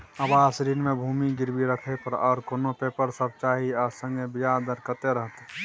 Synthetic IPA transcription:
ɐbaːsɾiːnmẽbʱuːmiɡɪɾbiɾəkʰepəɾɔːɾkonopeːpəɾsəb̚t͡ʃaːɦiasə̃ŋɡebɪjaːd̪əɾkət̪eɾəɦt̪

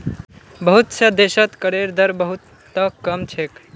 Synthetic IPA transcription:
bəɦut̪sʰəd̪esət̪kəɾeɾd̪ʱəɾbəɦut̪ː | əkəmt͡ʃʰek

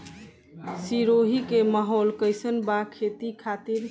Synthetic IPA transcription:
siɾoɦikeməɦɔlkəjsənbakʰet̪ikʰat̪iɾ

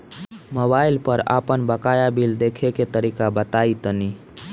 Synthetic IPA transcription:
mobailpəɾa̰pənbəkajabild̪ekʰeket̪əɾikabət̪ait̪əni

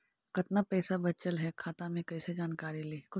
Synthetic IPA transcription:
kɐt̪napɛːsabɐtːt͡ʃəlɦɛkʰaːt̪amẽkɛːsed͡ʒaːnkaːɾiliːkʊ

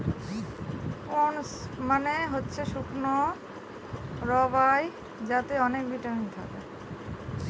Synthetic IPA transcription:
onsmaneɦotːɕʰeʃukʰno | ɾɔbaj | d͡ʑat̪eɔnekbiʈamint̪ʰa̰ke

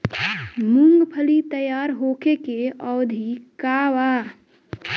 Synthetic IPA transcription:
muŋɡpʰəlit̪əjaɾɦoːkekeɔːd̪ʱikaːʋa

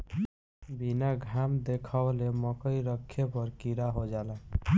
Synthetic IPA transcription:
binaɡʱamd̪ekʰəbleməkəjɾəkʰːepəɾkiɾaɦod͡ʒala

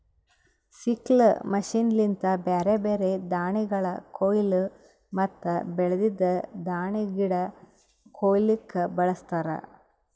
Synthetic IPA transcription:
siklmɐʃiːnlint̪ɐbeːɾebeːɾe̞d̪aːɳiɡɐɭɐkʰoːjlu | mɐt̪ːɐbɛɭɐd̪id̪ɐd̪aːɳiɡiɽɐ | koːjlikːɐbɐɭɐst̪aːɾɐ̰

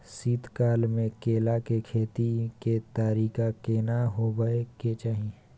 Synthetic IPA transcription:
siːt̪kaːlmẽkeːlakekʰeːt̪iket̪aːɾiːkakeːnaɦobəeket͡ʃaːɦi

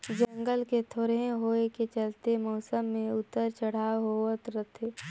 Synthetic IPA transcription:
d͡ʒə̃ŋɡəlket̪ʰoːɾẽɦoːeket͡ʃəlt̪emɔːsəmːẽʊt̪ːəɾt͡ʃəɽ̤aɦoət̪ɾət̪ʰe

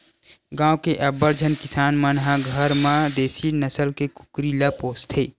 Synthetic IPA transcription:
ɡãːwkeʔɐbːəɾd͡ʒʱənkɪsaːnmənɦãɡʱəɾmãd̪eːsinəsəlkekʊ̥kɾilapoːst̪ʰeː

